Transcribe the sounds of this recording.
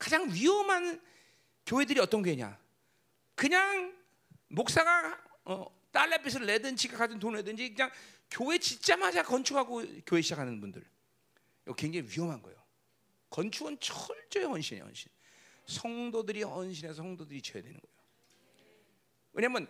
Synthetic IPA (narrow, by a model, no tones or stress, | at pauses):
kad͡ʑaŋɥiʌmɦan | kjoɦe̞dɯɾiʌt͈ʌnkjoɦeɲa̰ | kɯɲaŋ | mok̚s͈aɡa | ʌ | t͈aɭːepʰis̬ʰɯɾɭːledɯnd͡ʑʰiɡakad͡ʑɯntonɭedɯnd͡ʑikɯɲaŋ | kjoɦe̞t͡ɕit͡ɕ͈amɦad͡ʑakʌnt͡ɕʰukaɡokjoɦe̞ɕʰid͡ʑakʰanɯnbundɯ̰ɭ | kweŋd͡ʑeŋiwiʌmɦanɡʌejo | kʌnt͡ɕʰuɡɯnt͡ɕʰʌɭt͡ɕ͈ʌehʌnɕʰinḛhʌ̰nɕʰinsʰʌŋdodɯɾihʌnɕʰinesʰʌŋdodɯɾit͡ɕeja̰dwe̞nɯ̰nɡʌḛjo | ɯɲamɯn